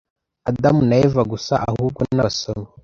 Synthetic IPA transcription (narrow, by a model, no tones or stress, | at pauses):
adamunajevaɡusa̰ʔahuːb̚ɡonaβasono